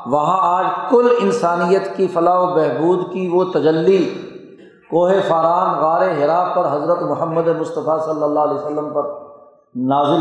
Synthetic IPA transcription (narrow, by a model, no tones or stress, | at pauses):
ʋɐɦãaːd͡ʒkʊlɪnsaːnijət̪kifɐlaːobɛɦbuːd̪kiʋot̪ɐd͡ʒəlːi | koːɦefaːɾaːnɣaːɾeɦɪɾaːfpɐɾɦɐzɾət̪mʊɦəmːəd̪emʊst̪əfasɐlːəlːaːɦlesɐlːəmpɐɾ | naːzɪl